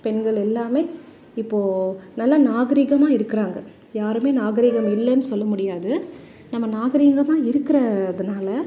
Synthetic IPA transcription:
pɛnɡɐɭɛlːaːmeː | ɪpːoːnɐlːɐnaːɣɐɾiːɣɐmaːɪɾɯkːɪɾaːŋɡɐ | jaːɾɯmeːnaːɣɐɾiːɣɐmɪlːɐnːɯsɔlːɐmʊɽɪjaːðɯ | nɐmːɐnaːɣɐɾiːɣɐmaːɪɾɯkːɪɾɐːðɐnaːlɐ

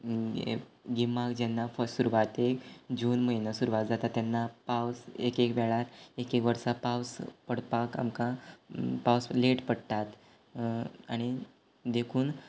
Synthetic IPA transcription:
ɡimakd͡ʑɛnːafəsuɾuʋat̪ekd͡ʑuːnməinəsuɾuʋat̪d͡zat̪at̪ːjɛnːapawsekekʋɛɭaɾekekʋəɾsapawspəɽpaka̰mkã | pawsleʈpəɽt̪at̪ | aɽ̃i | d̪ekʰuːn

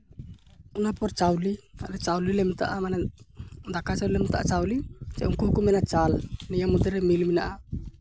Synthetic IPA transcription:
unapart͡ʃaulia̰lɛt͡ʃaulilɛmit̪a̰ʔamana | d̪akat͡ʃaulilɛmit̪aʔat͡ʃaulit͡ʃɛʔuŋkukumɛnat͡ʃalnijamud̪ɛɾɛmilmina̰ʔa

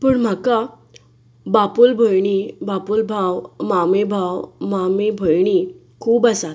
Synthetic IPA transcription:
pəːɳm̤aka | bapulbʱojɳibapulbʱawmamebʱawmamebʱojɳ̃i | kʰuːbasat̪

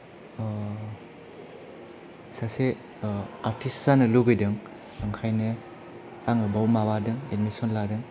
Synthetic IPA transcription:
sase | aɾtʰisːanɯluɡɯjdɯŋ | aŋkʰajnɯ | aŋɯbawmawadɯŋed̚misɔnladɯŋ

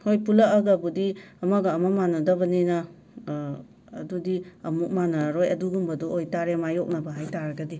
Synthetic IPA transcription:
hojpulɐʔːɡɐbudiɐmɐɡɐːmamanɐdɐbɐninɐ | dudiɐmuk̚manaɾojɐduɡumbɐduojtaɾemajok̚nɐbɐɦajtaɾɐɡɐdi

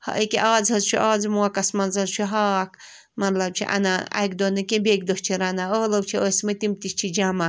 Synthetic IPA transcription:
hɐ̰ʔəkiʔaːzɦɐzt͡ʃʰuʔaːd͡zmuɐkɐsmɐnzɐzt͡ʃʰuɦaːk | mɐt̪lɐb̚t͡ʃʰḭʔɐ̰naɐ̰jkd̪onɨkẽbʲeːk̚d̪oht͡ʃʰiɾanaoːlowt͡ʃʰioːsmɐt̪imt̪ist͡ʃʰid͡ʒama

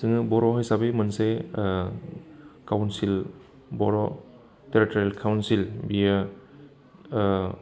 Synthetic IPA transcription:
sɯŋɯbɔɾɔɦɔjsabejmɯnse | kawnsil | bɔɾɔ | teɾitɔɾalkʰawnsilbija

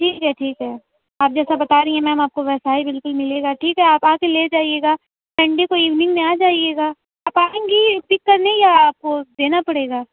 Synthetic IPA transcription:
ʈʰiːkɦɛʈʰiːkɦɛː | aːp̚d͡ʒɛːsabɐt̪aːɾɐɦĩɦɛ̃mɛ̃ɐmaːp̚koʋɛːsaːibɪlkʊlmɪleːɡaːʈʰiːkɦɛaːpaːkeleːd͡ʒaːieːɡaː | sɐ̃ɳɖekoiːʋnɪ̃ŋɡmẽaːd͡ʒaːieːɡaː | aːpaːẽːŋɡipɪkːɐɾnẽjaaːp̚kod̪eːnapɐɽeːɡaː

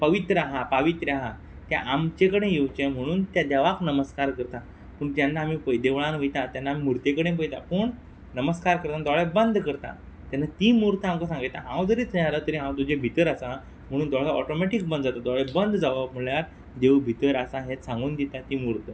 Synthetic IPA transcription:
pəʋit̪ɾəaɦapaʋit̪ɾaɦa | t̪ja̰ʔamt͡ɕekəɽẽjewt͡ɕẽm̤əɽ̃uːnt̪jad̪aʋaknəməskaɾkəɾt̪a | pəɳt̪janːaːmipəjd̪eʋɭãnʋəjt̪ãt̪janːaːmimuɾt̪ekəɽẽp̬əjt̪a̰pəːɳ | nəməskaɾkəɾt̪ad̪ɔɭebənd̪kəɾt̪a̰ | t̪janat̪iːmuɾt̪amkəsãŋɡit̪aɦãwd͡zəɾit̪ʰəaɾət̪əɾiɦãwt̪ud͡ʑebʱit̪əɾasa | m̤əɽ̃uːnd̪ɔɭaɔʈɔmɛʈik̚bənd̪d͡zat̪od̪ɔɭebənd̪d͡zaʋam̤uɭjaɾ | d̪ewbʱit̪əɾasaɦẽt̪sãŋɡuːnd̪it̪at̪imuɾt̪ə

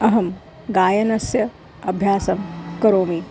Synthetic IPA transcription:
ɐɦɐm | ɡaːjɐnɐsjɐ | ɐbʱjaːsɐmkɐɾoːmi

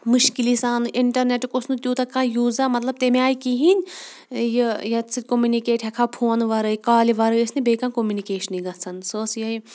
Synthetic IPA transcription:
muʃkilisaːnʔiɳʈɐɾneʈkosnut̪ʲjuːt̪ɐkãːjuːzamɐt̪lɐb̚t̪emẽaːikiɦinʲ | jijɐt̪sʰɨt̪̚ʲkomunikeːʈʰɦɐkʰaːpʰoːnʋɐɾɨikaːliʋɐɾɨɐsnibeːkãnkomjunikeːʃɐniɡɐt͡sʰɐnsoːsjɐj

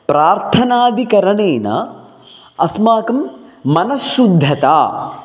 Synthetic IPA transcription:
pɾaːɾt̪ʰɐnaːd̪ʱikɐɾɐɳeːnɐ̰ | ɐsmaːkɐmːɐnɐsːud̪ʱːɐt̪a̰ː

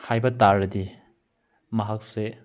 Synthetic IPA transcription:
hajbɐtaɾɐdi | mɐɦak̚se

